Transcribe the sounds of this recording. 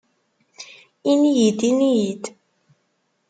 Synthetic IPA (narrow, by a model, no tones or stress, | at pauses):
inijid̪inijid̪